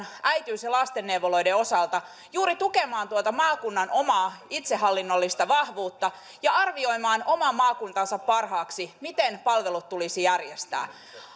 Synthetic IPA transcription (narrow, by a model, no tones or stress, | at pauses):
ʔæjt̪yːsjɑlɑst̪enːewʋolo̞jdeo̞sɑlt̪ɑ | juːɾit̪ukemɑːnt̪uot̪ɑmɑːkunːɑnʔo̞mɑːit̪sehɦɑlːinːo̞lːist̪ɑʋɑhʋuːt̪ːɑ | jɑɑrʋio̞jmɑːnʔo̞mɑmɑːkunt̪ɑnsɑppɑrɦɑːksimit̪enpɑlʋelut̪tulisijærjest̪æ̰ː